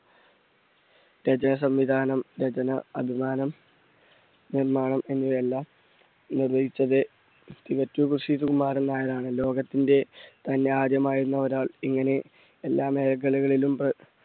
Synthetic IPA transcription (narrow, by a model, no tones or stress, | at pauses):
ɾɐd͡ʑɐnɐs̬ɐmʋid̪ʱaːnɐmɾɐd͡ʑɐnɐɐbʱimaːnɐm | nirmaːɳɐme̞nːiʋelːaːm | nirʋɐjit͡ɕːɐðɨ | t̪ikɐtːukrʂiːðukumːaːɾɐnːaːjɐðaːɳɨlo̞ːɡɐt̪ːinde̞t̪ɐnːeaːd̪jɐmaːjiɾunːɐɐɾaːɭiŋːɐne̞ | elːaːme̞ːɾɐɡɐɭuɣɐɭilumprɐ